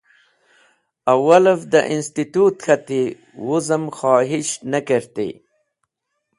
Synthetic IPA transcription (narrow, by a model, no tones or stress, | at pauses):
awaləvd̪ə̰ʔɪnst̪it̪ut̪xat̪e | wuzəmxɑːɦɪʃnakəɾt̪ḛ